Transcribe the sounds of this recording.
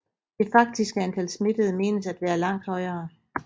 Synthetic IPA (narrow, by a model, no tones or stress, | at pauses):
d̥e̝fɑ̈ɡ̥̚d̥isɡ̥əænt͡sʰælsme̝d̥əð̞̩ˠme̝̰ːnəsæd̥ʋæːɐlɑ̈ŋ̰d̥hɒ̽ɪɐː